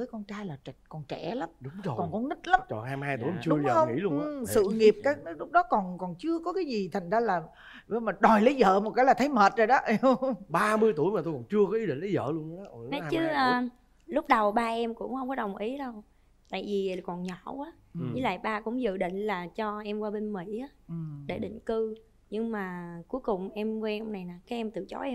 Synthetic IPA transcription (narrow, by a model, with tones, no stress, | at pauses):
vəː˨˦jkɔ˧nt͡ɕaː˧jlaː˨˩˨kɔ˨˩nt͡ɕɛ˧˩la˨˦mɗʊ˨˦ŋ͡mo˨˩kɔ˨˩nkɔ˨˦nï˦˥t̚la˨˦mt͡ɕɔ̰˨˩nhaː˧m˧haː˧jt̪u˧˩˨jm˨˩t͡ɕɨ˧ɗʊ˧˦ŋ͡mxə˧wŋḭ˧˥˦lu˧˨˩sɨ̰˧˨ŋi˨˩əp̚kaː˨˦˥k̚n˦lʊ˦˥k͡p̚ɗɔ˨˦kɔ˨˩nkɔ˨˩nt͡ɕɨ˧əkɔ˨˦kaː˨˦jzi˨˩t̪ʰa˨˩jŋ̟zaː˧laː˨˩ | və˨˧˦maː˨˩ɗɔ˨˩jli˨˦zə̰ː˧˨mo˨˩t̚kaː˨˦la˨˩t̪ʰjməː˨˩t̚zoː˨˩jɗɔ˨˦ʔə˧ɓaː˧mɨ˧əjt̪u˧˩jma˨˩t̪o˧jkɔ˨˩nt͡ɕɨ˧əkɔ˨˦i˨˦ɗḭ̈˧˨ŋ̟lə˨˦zə̰ː˧˨lu˧ən˧˦˨ʔnɔ˨˦a˧t͡ɕɨ˨˦ʔː | lʊ˦˥k͡p̚ɗə˨˩wɓaː˧ʔɛ˧mkʊ̰˧˥ŋ͡mhə˧wŋ͡mkɔ˨˦ɗə˨˩wŋ͡mʔi˨˦ɗə˧w | t̪a̰ː˧˨jvi˨˩˨kɔ˨˩nɲɔ˧˨ʔaː˨˦˨ | i˨˦la̰ː˧˨jɓaː˧kʊ̰˧˥ŋ͡mzɨ̰˧˨ɗḭ̈˧˨ŋ̟laː˨˩t͡ɕɔ˧ʔɛ˧mkwaː˧ɓe˧nmḭ˧˥˨aː˨˦ɨ˨˩ɗe˧˩ɗḭ̈˧˨ŋ̟kɨ˧ | ɲɨ˧ŋmaː˨˩ku˨˦jkʊ˨˩ŋ͡mʔɛ˧mkwɛ˧ʔɔ˧wŋ͡mna˨˩jnaː˨˩kaː˨˦jʔɛ˧mt̪ɨ̰˧˨t͡ɕɔ̰˨˦ʔ